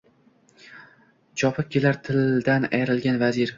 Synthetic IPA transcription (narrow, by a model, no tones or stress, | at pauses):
t͡ʃʰɒpʰɪkʲʰːelaɾt̪ʰɪld̪ana̰jɾɪlɡʲanvazɪɾ